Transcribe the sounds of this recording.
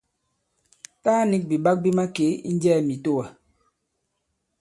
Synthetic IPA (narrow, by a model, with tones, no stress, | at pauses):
taː˦ni˦k̚bi˨ba˦k̚bi˦ma˦ke˨˦ḭ˦n˦d͡ʒɛː˦˨mi˨to˦wa˨